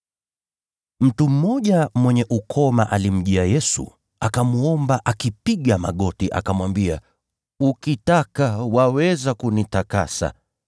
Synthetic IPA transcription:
m̩tum̩ːɔʄamwɛɲɛʔukʰɔmaʔalim̩ʄiajɛsṵ | akamuɔmbaʔakipiɠama̰ɠɔtiʔa̰kamwambia̰ | ukitakawawɛzakunitaka̰sa̰

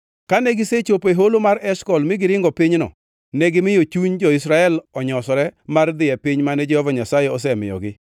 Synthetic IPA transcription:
kanɛɡɪset͡ʃopeɦolomaɾɛʃkɔlmɪɡɪɾɪŋɡɔpɪɲnɔ̰ | nɛɡɪmɪjot͡ʃuɲd͡ʒɔisɾaɛlɔɲɔsɔɾɛmard̪ɪjɛpɪɲmanɛd͡ʒɛhɔvaɲasajɛɔs̬ɛmɪ̰jɔ̰ɡɪ

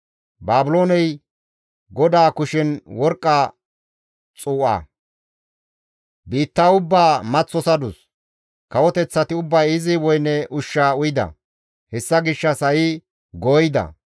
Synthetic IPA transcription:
baːbɪlo̞ːnɛj | ɡɔd̪aːkʊʃɪnwɔɾkʼːa | t͡sʼuːʔɐ̰ː | biːt̪ːaːʊbːaːmɐt͡sːɔsɐd̪ʊs | kɐwɔt̪ɛt͡sːɐt̪ɪʊbːɐjɪzɪwɔjnːɛʔʊʃːaːʊjɪd̪ɐ̰ | hɛsːɐɡɪʃːɐsɐjɪ | ɡoːjɪd̪ɐ̰

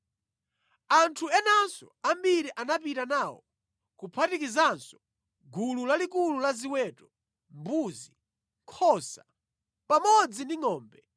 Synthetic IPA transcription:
antʰuɛnansɔ̰ambiɾiʔanapitanawɔ̰ | kupʰatikizansɔ̥ | ɡululalikululaziwɛːtɔ | mbuːzi | ŋkʰɔsa | pamɔd͡zindiŋɔːmbɛ

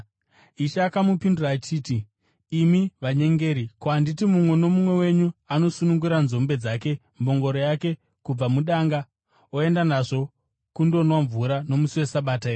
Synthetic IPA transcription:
iʃaːkamupinduraːt͡ʃiːtiː | miʋaɲe̞ŋɡe̞ːɾikwanditimumwe̞no̞mumwe̞we̞ɲuano̞sunuŋɡuɾanzo̞mbe̞d͡zake̞ | mbo̞ŋɡo̞ɾo̞jake̞ | kub͡vamuɗaŋɡa | oe̞ndanaʐo̞ | kundo̞nwaɱvuɾano̞musiwe̞saɓaːtaeːr

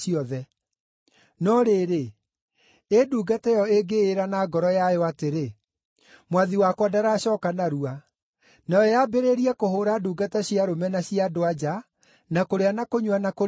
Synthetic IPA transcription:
iɔðɛ | nɔɾeːɾe | eduːɡatɛjɔeɡeːɾanaːɡɔɾɔjajɔateɾe | mwaðiwakwadaɾaɕɔːkanaɾua | najɔjabeɾeɾiɛkoɦoɾaduːɡataɕiaɾomɛnaɕiadoad͡ʒa | nakoɾeanakoɲwanako

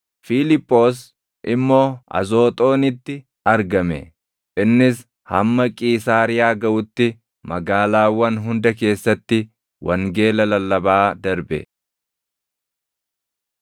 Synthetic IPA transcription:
fiːlɪpʼːo̞ːs̬ | ʔɪmːo̞ːɐ̰zo̞ːt̪ʼo̞ːnɪt̪ːɪ | ɐɾɡɐmɛ̰ | ʔɪnːɪs | hɐ̰mːɐkʼiːsaːɾɪjaːɡɐʔʊt̪ːɪ | mɐɡaːlaːwːɐnɦʊnd̪ɐke̞ːsːɐt̪ːɪ | wʔɐŋɡe̞ːlɐlɐlːɐbaːd̪ɐɾbɛ̰

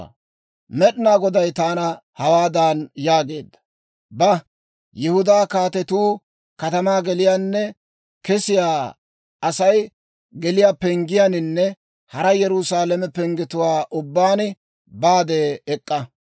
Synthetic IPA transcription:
mɛɗnaːɡɔd̪ɐjt̪aːnɐhɐwaːd̪aːnjaːɡe̞ːd̪ːɐ̥ | bɐ | jɪhʊd̪aːkaːt̪ɛt̪uː | kɐt̪ɐmaːɡɛlɪjaːnːɛ | kɛsɪjaː | ɐsɐj | ɡɛlɪjaːpɛŋɡɪjanɪnːɛ | hɐɾɐjɛɾʊsaːlɛmɛpɛŋɡɪt̪ʊwaːʔʊbːaːnɪ | baːd̪eːkʼːɐ

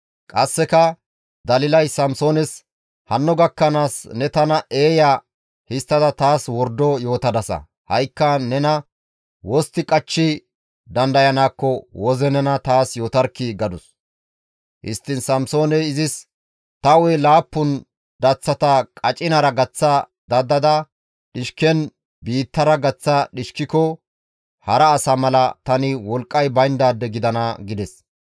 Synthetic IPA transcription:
kʼɐsːɛkɐ | d̪ɐlɪlɐjsɐmso̞ːnɛs | hɐnːɔɡɐkːɐnaːsnɛt̪ɐnɐʔeːja | hɪst̪ːɐd̪ɐt̪aːswɔɾd̪ɔjo̞ːt̪ɐd̪ɐsɐ̰ | hɐjkːɐnɛnɐ | wɔst̪ːɪkʼɐt͡ʃːɪ | d̪ɐnd̪ɐjɐnaːkːɔwɔzɛnɛnɐt̪aːsjo̞ːt̪ɐɾkːiɡɐd̪ʊs | hɪ̰st̪ːɪnsɐmso̞ːnɛjɪzɪs | t̪ɐwɔjlaːpːʊn | d̪̥ɐt͡sːɐt̪ɐkʼɐt͡ʃʼɪnɐɾɐɡɐt͡sːɐ | d̪̥ɐd̪ɐd̪ɐ | ɗɪʃkɛn | biːt̪ːɐɾɐɡɐt͡sːɐɗɪʃkɪkɔ | hɐɾɐːsɐmɐlɐt̪ɐnɪwɔlkʼːɐjbɐjnd̪aːd̪ːɛɡɪd̪ɐnɐɡɪd̪ɛs

